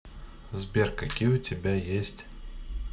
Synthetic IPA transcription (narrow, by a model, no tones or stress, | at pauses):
zbʲerkɐkʲijʊtʲɪbʲajesʲtʲ